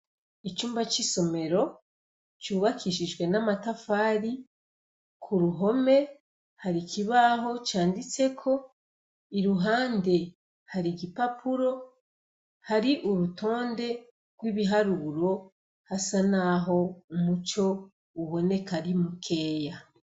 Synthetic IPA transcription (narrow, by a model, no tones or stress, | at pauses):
it͡ʃuːmbat͡ʃiso̞me̞ɾo̞ | t͡ʃuːβakʰiʃid͡ʒɡwe̞namatafaːɾi | kʰuɾuɦo̞me̞ | haɾikʰiβaɦo̞t͡ʃaːndit͡se̞kʰo̞ | iɾuɦaːnde̞ | haɾiɡipapʰuɾo̞ | haɾiʔuɾutʰo̞ːnde̞ | ɡ̥wiːβiɦaɾuːɾo̞ | hasanaɦo̞umut͡ʃo̞ | uβo̞ne̞kaɾimukʰe̞ːja